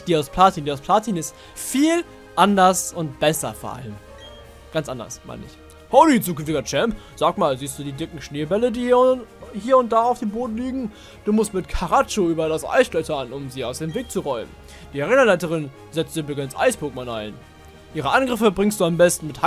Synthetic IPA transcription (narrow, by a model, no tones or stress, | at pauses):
d̥iːaʊspʰlaːtiːndiːaʊspʰl̥aːtʰiːnɪst | fiːl | ʔandɐsʊntb̥ɛsɐ̰foɐʔa̰ləm | ɡ̥ant͡sʔandɐ̰sma̰ɪnəɪ̰ç | hoʊlit͡suːkʏnftɪɡɐt͡ʃɛmp | z̥aːkmaːlziːstd̥uːdiːdɪkŋ̩ʃneːbɛlədiːhiːɐʊnt̚d̥aːaʊfd̥eːmboːdn̩liːɡŋ̩ | d̥uːmʊstmɪtkʰaʁat͡ʃoyːbɐɾasʔa̰ɪsɡ̥lœtɐnʊmziːaʊsd̥eːmveːk̚t͡suʁɔʏmən | d̥iːaʁeːnɐlaɪtəʁɪn | zɛt͡stz̥ɪbləɡɛnsʔa̰ɪsb̥oːk̚manʔa̰ɪn | ʔiːʁəʔanɡʁɪfəbʁɪŋstd̥uːambɛstn̩mɪtha